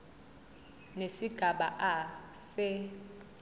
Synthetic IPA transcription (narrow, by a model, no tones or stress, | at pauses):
nesiɡ̥ʱaɓaʔasɛ